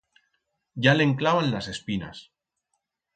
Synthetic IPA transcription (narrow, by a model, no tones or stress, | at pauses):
ɟ͡ʝaleŋklaβanlase̞spina̰s